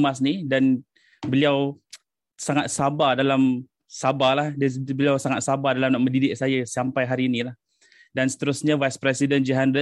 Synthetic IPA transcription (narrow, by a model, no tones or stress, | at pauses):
mas̬nidan | bəliaw | saŋat̪̚sabadalam | sabalahdbəliawsaŋat̪̚sabadalamnaʔməndidɪʔ̚sajasampajɦaɾiːnilah | dansə̥t̪əɾʊsɲavajspɾɛsidənd͡ʒəɦanɾə